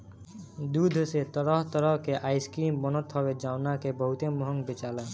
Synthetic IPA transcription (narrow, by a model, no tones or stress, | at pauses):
d̪ud̪ʱoset̪ɔɾɔɦt̪ɔɾɔɦkeʔajskɾimbɔnɔt̪ɦɔbed͡ʒawnakebɔɦut̪emɔɦɔŋbet͡ʃala